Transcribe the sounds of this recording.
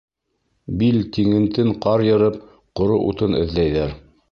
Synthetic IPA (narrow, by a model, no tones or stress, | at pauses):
bilt̪iŋɘ̆nt̪ɘɴqɑɾjɤ̆ɾɤp | qŏɾoʔṵt̪ɤnɘ̰̆ðlæjðæɾ